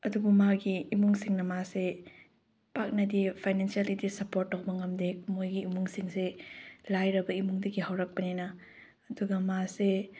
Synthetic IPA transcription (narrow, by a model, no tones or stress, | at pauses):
ɐdubumaɡiːmuŋsiŋnɐmase | pak̚nɐdipʰajnensialidisɐpoɾt̚ːawbɐŋɐmdek̚mojɡiːmuŋsiŋselajɾɐbɐimuŋdɐɡihɐwɾɐk̚pɐnenɐː | duɡɐmase